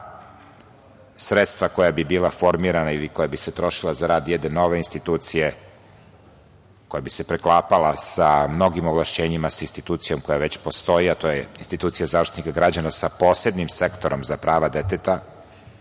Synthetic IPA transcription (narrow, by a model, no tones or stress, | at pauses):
sɾet̪st̪ʋako̞jabibiːlˠafo̞ɾmiːɾanailiko̞jabiset̪ɾo̞ʃilˠazaɾaːd̪jɛd̪eno̞ʋe̞inst̪it̪uːt̪sije | ko̞jabisepɾeklˠaːpalasamno̞ɡimoʋlˠaʃt͡ɕeːɲimasainst̪it̪uːt̪sijo̞mko̞jaʋe̞t͡ɕpo̞st̪o̞iat̪ojeinst̪it̪uːt̪sijazaʋɾʂt̪it̪nikaɡɾad͡ʑanasapo̞ːsed̪nimsekt̪o̞ɾomzapɾaːʋad̪et̪et̪a